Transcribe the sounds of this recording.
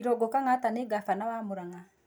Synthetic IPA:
ɾɔɡɔkaŋataneɡafanawamuɾaŋa

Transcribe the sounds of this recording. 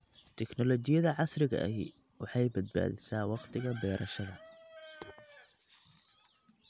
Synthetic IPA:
t̪ʰɛknɔlɔt͡ʃɪjɐðɐʕɑsrɪɣɐ̰ʔɐɦḭ | wɑħɑjbɐd̪̚ba̰ːðɪsaːwɑqt̪ʰɪɣɐbɛːɾʔɐʃɐðɐ

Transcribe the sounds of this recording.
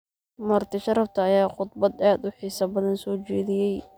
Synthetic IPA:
mɐrt̪ʰɪʃɐɾɐft̪ʰɐːjaːqʊd̪bɐd̪aːd̪ʊħiːsɐbɐðɐnsɔːt͡ʃɛːðɪjɛj

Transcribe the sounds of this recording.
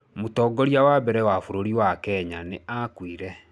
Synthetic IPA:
motɔːɡɔɾiawabɛɾɛwafoɾoɾiwakɛɲaneʔakwiɾɛ

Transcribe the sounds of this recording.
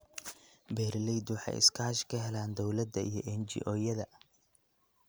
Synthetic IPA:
bɛːɾlɛjd̪wɑħɑ̰jɪ̰skʰaːʃkʰɐɦɛlaːnd̪ɔwlɐd̪ɐḭjɞʔɛnt͡ʃḭʔɔːjɐðɐ

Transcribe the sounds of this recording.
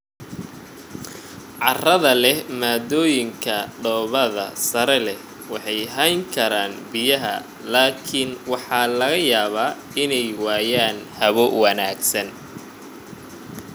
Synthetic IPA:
ʕɑrɐðɐlɛhmaːd̪ɔːjɪŋkʰɐɖɔːβɐðɐsɐɾɛlɛ | wɑħɑjɦɐjŋkʰɐɾaːnbɪjɐɦɐ̰ | laːkʰɪnwɑħɑːlɐɣɐjaːβaː | ɪnɛjwaːjaːnhɐβɔwɐnaːɡsɐn

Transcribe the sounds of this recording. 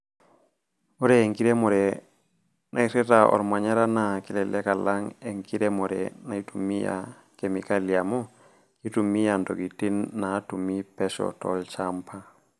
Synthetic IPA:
muɾɛːŋkiɾɛmɔɾɛ | nʔajsɛtaʔɔ̰ɾmaɲaɾanakilɛlɛkalaŋeŋkiɾɛmɔɾɛ̰najtumija̰ | kemikalijamɔ | kitumijandoɡitinːatumːipɛsɔ̰tɔ̰lt͡ʃampʰa

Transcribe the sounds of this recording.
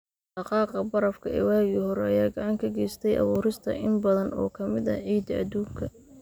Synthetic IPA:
ħɑqɑːqɐbɐɾɐfkʰɐɛ̰wɑːɣihɔɾɛɐjaːɡɐʕɑŋkʰɐɡɛːjst̪ʰɛjʔɑ̰βuːɾɪst̪ʰɐ̰ʔɪmbɐðɐnɔ̰ːkʰɐmɪðɐ̰ʕiːd̪ɐɐ̰d̪uːŋkʰɐ

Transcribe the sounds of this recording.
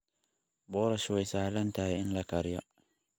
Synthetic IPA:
bɔɾɐʃwɛjsaːʕlɐnt̪ʰahɛɪnlɐkʰɐɾɪjɐ̰

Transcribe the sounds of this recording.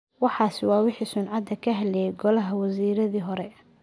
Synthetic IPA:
wɑħɑːsɪwɑːwɪħiːsʊnʕɑd̪ɐkʰɐɦɐlɛjɡɔlɐɦɐwɐsiːɾɐðiːɦɔɾɛ

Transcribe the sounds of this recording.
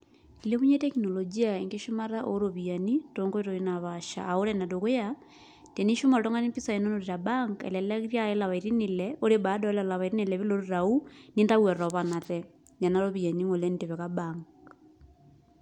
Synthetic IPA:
ileβuɲetɛkinolod͡ʒiaeŋɡeʃomaɾaʔoɾoβianitoŋɡoeɾoinaβaʃa̰ːolɛnadoɣoja | teniʃomaɾotoŋanimpisainonoɾeɾabaŋkɛ̰lɛlaɣɾjaelaβaiɾinilɛoɾebadɔlalaβaiɾinelɛβiloɾoɾaunindawɛɾɔβanatɛ | ɲanaɾoβianiŋolɛnideβɛɣabaŋk

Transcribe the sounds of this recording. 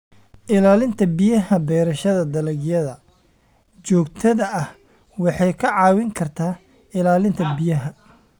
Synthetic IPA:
ʔɪlaːlɪnt̪ʰɐbijɐɦɐbɛːɾɐʃɐðɐd̪ɐlɐɡjɐðɐ | t͡ʃɔːɡt̪ʰɐðɐʔɐh | wɑħɑjkʰɐʕɑːwɪŋkʰɐrt̪ʰaː | ɪlaːlɪnt̪ʰɐbijɐɦɐ

